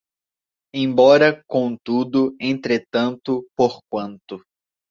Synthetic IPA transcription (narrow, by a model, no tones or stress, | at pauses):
ẽj̃bɔɾɐkõw̃t̪ud̪ʊẽnt̪ɾet̪ɐ̃nt̪ʊpoɾkwɐ̃nt̪ʊ